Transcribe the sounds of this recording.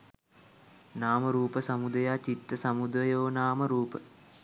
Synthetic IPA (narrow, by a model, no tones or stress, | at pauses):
naːməɾuːpəsɐmud̪ɐjaːt͡ʃit̪ːəsɐmud̪ɾəjoːnaːməɾuːpə